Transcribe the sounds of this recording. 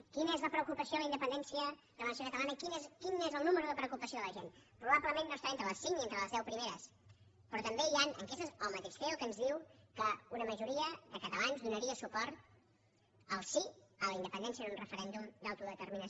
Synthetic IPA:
kinəezləpɾəukupəsijoəlˠəind̪əpənd̪ɛnsiərəəlnsjokət̪əlanəkinezkinezəlˠnuməɾuðəpɾəukupəsijoðələʒenpɾuβabləmenːosaent̪ɾələsiŋnient̪ɾələzðɛwpɾimeɾəs | pɾɔt̪əmbeianə̰ŋkesəzolˠmət̪eʃfeəlˠkənzðiwkəunəməʒuɾiəðəkət̪əlanzðunəɾiəsupɔɾt̪ | əlˠsiələind̪əpənd̪ɛnsiənunrəfəɾɛnd̪umd̪awt̪uðət̪əɾminə

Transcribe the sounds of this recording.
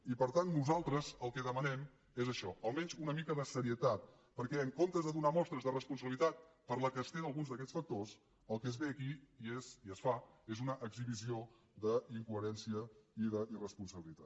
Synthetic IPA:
ipəɾt̪anːuzalˠt̪ɾəzəlˠkɛðəmənɛm | ezəʃɔəlˠmɛɲzunəmikəðəsəɾiət̪at̪̚ | pəɾkɛəŋkont̪əzðəðunamɔst̪ɾəzðərəspuns̬əβilit̪at̪̚pəɾləkəst̪eðəlˠɣunzðəkɛt͡sfək̚t̪os | əlˠkɛzβeəkiieziəsfaezunəʔəɡziβizio | ðəiŋkuəɾɛnsiəiðəʔirəspunsəβilit̪at̪

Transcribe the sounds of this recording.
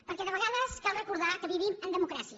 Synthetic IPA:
pəɾkɛðəβəɣaðəskɛlˠrəkuɾðakəβiβimənd̪əmukɾasiə

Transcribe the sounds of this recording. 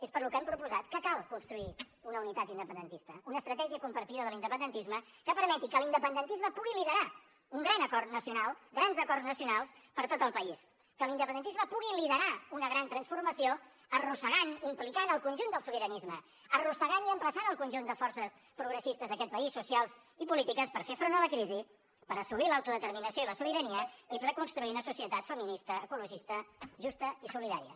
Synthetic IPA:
espəɾlukɛmpɾupuzat̪kəkalˠkunst̪ɾui | unəunit̪at̪ind̪əpənd̪ənt̪ist̪əunəːst̪ɾət̪ɛʒiəkumpəɾt̪iðəðəlˠind̪əpənd̪ənt̪izməkəpəɾmɛt̪ikəlind̪əpənd̪ənt̪izməpuɣiliðəɾa | uŋɡɾanəkɔrt̪nəsiunalˠɡɾanzəkɔrznəsiunalˠs | pəɾt̪ot̪əlˠpəis | kəlind̪əp̬ənd̪ənt̪izməpuɣiliðəɾaunəɣɾant̪ɾənsfurməsio | ərusəɣanimplikanəlˠkunʲʒund̪əlˠsuβiɾənizmə | ərusəɣaniəmpləsanəlˠkunʲʒund̪əfɔɾsəs | pɾuɣɾəsist̪əzðəkɛt̪̚pəisːusialˠz | ipulit̪ikəspəɾfefɾonələkɾizi | pəɾəsuβilawt̪uðət̪əɾminəsijoiləsuβ̞iɾəniəipɾəkunst̪ɾuiunəsusiət̪at̪fəminist̪əːkuluʒist̪əʒust̪əisuliða̰ɾḭjə̰

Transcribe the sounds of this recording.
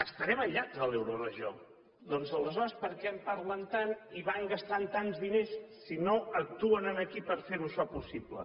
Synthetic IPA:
əst̪əɾɛməʎːazəlɛwɾurəʒo̰ | d̪ɔnzələzɔɾəspəɾkɛmpaɾlənt̪aniβaŋɡəst̪ant̪anzðinesː | inoək̚t̪uənənəkipəɾfeɾuəʃɔpusiblə̰

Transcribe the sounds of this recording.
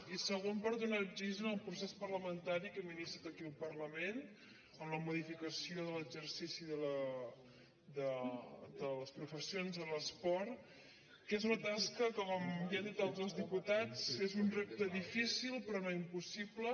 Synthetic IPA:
isəɣ̞ompaɾðunad͡ʒiʒənəlˠpɾusespərləmənt̪aɾikəminist̪ɾət̪əkiəlˠpərləmen | əmləmuðifikəsioðələɡzərsisiðələ | d̪əd̪ələspɾufəsionzələspɔɾt̪ | kezunət̪askəkɔɔmbiand̪it̪alˠzolˠzðiput̪at͡sezunrep̚t̪əðifisilˠpɾɔnoimpusiblə

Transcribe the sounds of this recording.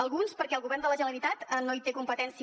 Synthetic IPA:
əlˠɣunspəɾkɛəlˠɣuβɛrnd̪ələʒənəɾit̪at̪ənoit̪ekumpət̪ɛnsi

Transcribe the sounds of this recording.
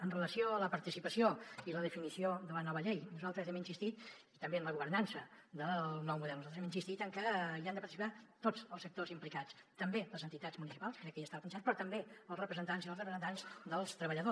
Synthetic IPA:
ənrələsioələpəɾt̪isipəsioiləðəfinisioðələnɔβəʎejnuzalˠt̪ɾəzɛminsist̪it̪it̪əmbeəmləɣuβəɾnansəðəlˠnɔwmuðɛlnuzat̪əzɛminsist̪it̪əŋkəiand̪əpəɾt̪isipat̪od͡zəlˠsək̚t̪ozimplikat͡st̪əmbeləzənt̪it̪azmunisi̥palˠskɾɛkːəjast̪aβapənsaspɾɔt̪əmbeəlˠsrəpɾəzənt̪anzilˠrəpɾəzənt̪anzd̪əlˠst̪ɾəβəʎəðo

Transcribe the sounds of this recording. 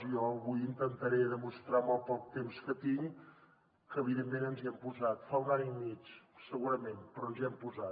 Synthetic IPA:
ijɔəβujint̪ənt̪əɾeðəmust̪ɾamɔlˠt̪əlˠt̪emskət̪iŋ | kəːβiðemːenənziɛmpuzat̪faunaɲimit͡ʃsəɣuɾəmenpɾɔənziɛmpuzat̪

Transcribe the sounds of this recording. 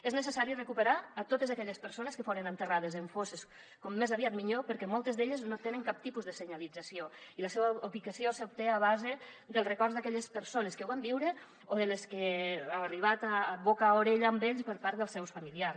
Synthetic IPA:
eznəsəsaɾirəkupəɾaːt̪ot̪əzakɛʎəspəɾsoneskəfoɾənənt̪ərað̞əzəɱfoses | kɔmːezaβiat̪miʎopəɾkɛmolˠt̪əzðeʎəznot̪enəŋkap̚t̪ipuzðəsəɲalid͡zasioiləsɛβəuβikasiosəup̚t̪eaβazed̪əlˠrəkɔrzðakɛʎəspəɾsoneskəwambiwɾə | oðəleskeaariβ̞at̪aːβokaoɾeʎaːmbeʎspəɾpaɾt̪ðəlˠsɛwsfamiliar

